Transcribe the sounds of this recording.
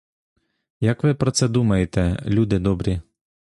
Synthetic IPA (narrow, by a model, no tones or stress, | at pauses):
jɐkʋɪpɾɔt̪sɛd̪umɐjet̪ɛlʲud̪ɪd̪ɔbɾʲi